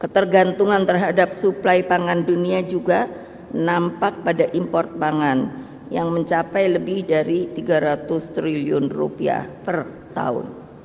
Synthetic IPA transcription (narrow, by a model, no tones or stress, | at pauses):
kət̪ərɡant̪uŋant̪ərɦadap̚suplajpaŋanduniad͡ʒuɡa | nampak̚padaʔimpɔrt̪̚paŋan | jaŋməɲt͡ʃapajləbɪhdaɾit̪iɡaɾat̪ʊst̪ɾiliʊnrṵpia̰hpər | t̪a̰ʊ̰n